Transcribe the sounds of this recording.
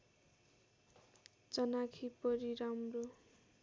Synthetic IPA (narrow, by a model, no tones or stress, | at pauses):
t͡sʌnakʰipʌɾiɾamro